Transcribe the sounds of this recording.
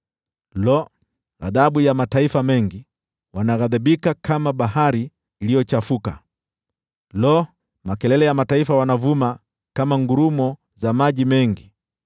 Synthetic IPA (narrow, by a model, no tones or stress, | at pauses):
lɔ | a̰ðaɓujamataifamɛŋɡi | wanaɣaðaɓikakamaɓaɦaɾiː | lijɔt͡ʃafuka̰ | lɔ | makɛlɛlɛjamataifawanavuma | kamaŋɡuɾumɔ | zamaʄimɛŋɡi